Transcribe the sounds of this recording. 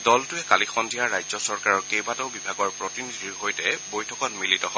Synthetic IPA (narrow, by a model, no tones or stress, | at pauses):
dɔltʊɛkalixɔndʱijaɹajzɔsɔɹkaɹɔɹkejbatɔʊbibʱaɡɔɹpɹɔtinidʱiɹɦojtɛbojtʰɔkɔtmilitɔɦɔ